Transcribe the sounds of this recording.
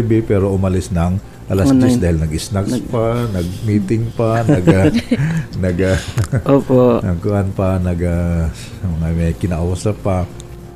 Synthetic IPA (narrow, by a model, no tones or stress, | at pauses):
bɪpɛːɾo̞ʔʊmɐlɪsnɐŋ | ʔɐlasɛsd̪aːhɪlnɐɡʔɪsnakspanɐɡ̚miːt̪ɪŋpanɐɡa | nɐɡaʔoːponɐŋkʊʔanpanɐɡa | mɐŋamɐjkɪnaʔawasapa